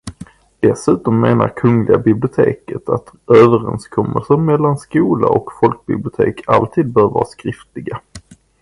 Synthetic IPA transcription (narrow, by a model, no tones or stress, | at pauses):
d̪̥ɛsʉ̟ːt̪ɔmːeːna̰ɾkʰɵŋlɪɡabɪblɪʊt̪ʰeːkət̪ʰat̪øːvəɾɛnskʰɔmːəlsəɾmɛlːanskuːla̰ʔɔkfɔlk̚bɪblɪʊt̪ʰḛːkʰalt̪ʰiːd̪̚bœːɾvɑːɾaskɾɪft̪lɪɡa